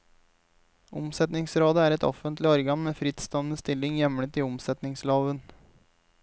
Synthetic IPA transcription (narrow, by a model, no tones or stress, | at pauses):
ʊmsɛt̪nɪŋsɾoːd̪əæːɾɛt̪ɔ̰fənt̪lɪɔɾɡɑnmeːfɾɪt̪st̪ɔnəst̪ɪlːɪŋjɛmlət̪iːʊmsɛt̪nɪŋslɑːʋən